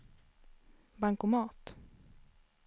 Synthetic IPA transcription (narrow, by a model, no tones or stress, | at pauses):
baŋkʊmɑːt̪